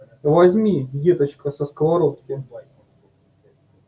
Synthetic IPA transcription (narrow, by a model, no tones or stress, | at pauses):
vɐzʲmʲijet̪ət͡ɕkəsəskəvɐɾot̪kʲɪ